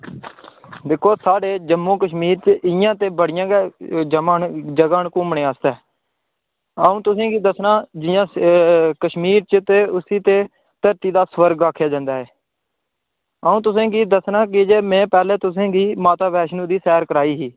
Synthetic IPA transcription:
d̪ɪkʰːoːsaːɖeːd͡ʒəmːõːkəʃmiːɾt͡ʃɪjãːt̪eːbəɽɪjãːɡd͡ʒəaːd͡ʒəɡaːɳkʊmɳẽːaːst̪ɛː | əũːt̪ʊs̬ẽːɡiːd̪əsnaːd͡ʒɪjãːkəʃmiːɾt͡ʃət̪eːʊsiːt̪eː | t̪əɾt̪iːd̪aːsʋəɾɡaːkʰːjaːd͡ʒãːnd̪aːɦɛː | əːũːt̪ʊs̬ẽːɡiːd̪əsnaːkɪd͡ʒeːmɛ̃ːpɛːleːt̪ʊs̬ẽːɡiːmaːt̪aːbɛːʃnũːd̪iːsɛːɾkəɾaːiːɦiː

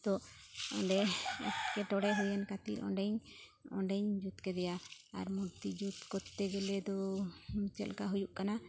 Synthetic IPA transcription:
t̪ɔɔ̰ɖɛɔ̰skɛʈɔɽɛɦujɛnkat̪ḭlɔ̰ɳɖɛɲ | ɔ̰ɳɖɛɲd͡ʒut̪kɛd̪ɛjaa̰ɾmuɾt̪id͡ʒut̪kɔt̪ːɛɡɛlɛd̪ɔ | t͡ʃɛ̰lkaɦujuʔkana

